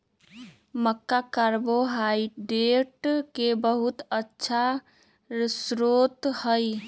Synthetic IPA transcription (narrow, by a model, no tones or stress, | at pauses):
məkːakaɾboɦaiɖeʈkebəɦut̪ətːʃʰa | ɾsɾot̪həj